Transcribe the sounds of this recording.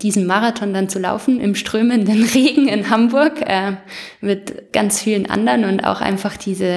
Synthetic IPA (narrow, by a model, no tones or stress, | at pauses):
d̥iːzn̩maʁatʰɔndant͡sula̰ʊfn̩ʔɪ̰mʃtʁ̥øːməndənʁeːɡŋ̩ɪnhambʊɐkʔɛːmɪtɡ̥a̰nt͡sfiːlənʔa̰ndɐnʊnta̰ʊxʔa̰ɪnfaχd̥iːzə